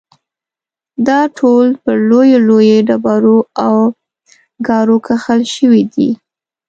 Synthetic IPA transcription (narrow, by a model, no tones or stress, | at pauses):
d̪ɑʈʰolpəɾlojolojeɖabɑɾoaw | ɡɑɾokʰaxalʃəwid̪ḭ